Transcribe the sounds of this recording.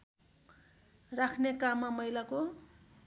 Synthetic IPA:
rakʰnekamːamʌjlako

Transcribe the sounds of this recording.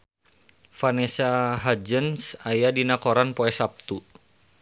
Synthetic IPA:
fanesaɦad͡ʒənsajadinakoɾanpoɛsap̚t̪u

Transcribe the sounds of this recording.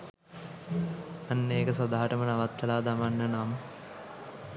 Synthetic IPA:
anːəeːkəsod̪aːɦaʈəmənaʋat̪ːəlaːd̪amanːənam

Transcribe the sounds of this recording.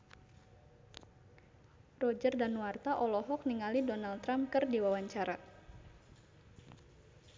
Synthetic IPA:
rɔd͡ʒərdanwart̪aʔɔlɔɦɔk̚niŋalidɔnalt̪ɾamkɨrdiwawaɲt͡ʃaɾa

